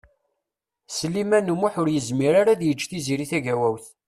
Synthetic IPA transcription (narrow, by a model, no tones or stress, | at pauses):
səlːimænəmːʊħʊɾjəzmiɾaɾaðjət͡ʃːθiziɾiθæʝæwæwθ